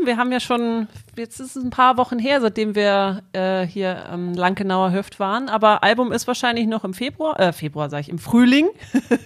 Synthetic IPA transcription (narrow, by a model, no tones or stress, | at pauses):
viːɐɦaːbmjaːʃoːnjɛt͡stɪstəsn̩pʰaːɐvɔχn̩ɦeːɐzaɪt̚d̥eːmviːɐʔɛːhiːɐʔɛ̰ːmlaŋɡənaʊɐɦœftv̥aːʁənʔaːbɐʔalbʊmɪstv̥aːɐʃaɪnlɪçnɔχɪmfeːbʁuaʔɛːfeːbʁuaːɐzaːɡɪçɪmfʁ̥yːlɪŋ